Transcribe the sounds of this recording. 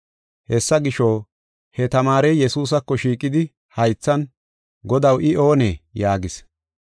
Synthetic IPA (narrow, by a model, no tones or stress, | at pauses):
hɛsːɐɡɪʃoː | hɛt̪ɐmaːɾejjɛsuːs̬ɐkːɔʃiːkʼːɪd̪ɪ | hɐjt͡sːɐn | ɡɔd̪ɐwʔɪo̞ːneːjaːɡɪs